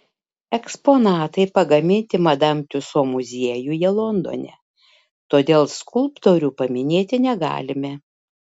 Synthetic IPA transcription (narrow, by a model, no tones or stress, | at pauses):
ɛkspoːnɑːt̪ɐɪpɐɡɐmʲɪnʲt̪ʲɪmɐd̪ɐmʲt̪ʲʊsoːmʊzʲiɛjujɛlˠond̪o̰nʲɛ̰ | t̪oːd̪ʲeːlˠskʊlˠpt̪oːɾʲuːpɐmʲɪnʲeːt̪ʲɪnʲɛɡɑ̰ːlʲɪmʲɛ